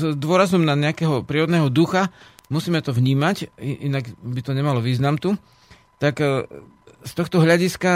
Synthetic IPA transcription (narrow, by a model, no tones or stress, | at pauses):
d̪ʊɔɾazɔmnaɲɛakɛːɦɔpɾiːɾɔd̪nɛːɦɔd̪uxamusiːmɛt̪ɔvɲiːmaciʔinaɡbit̪ɔɲɛmalɔʋiːznamt̪u | t̪ak | st̪ɔxt̪ɔɦʎaɟiska